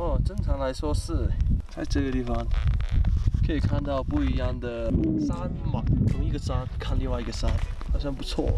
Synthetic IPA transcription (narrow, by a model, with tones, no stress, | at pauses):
ɔ˥˩ʈ͡ʂɤ˥˧ŋʈ͡ʂʰɑ˧˥ŋla˧˥ɪswɔ˥ʂɻ̩˥˩t͡sa˥˧ɪʈ͡ʂə˥˩ɡə˩t̪i˥˩fɑ˧ŋ | kʰɤ˧˥i˨˩kʰa˥˧nt̪ɑ˥˧ʊpu˥˩i˧˥jɑ˥˩ŋd̪ə˩sa˥n˥ma˨˩t̪ʰʊ˧˥ŋi˥˩ɡə˨sa˥nkʰa˥˧nli˥˧ŋwa˥ɪi˧˥ɡə˧sa˥n | xɑ˨˩ʊɕjɑ˥˧ŋpu˧˥t͡sʰwɔ̰˥˩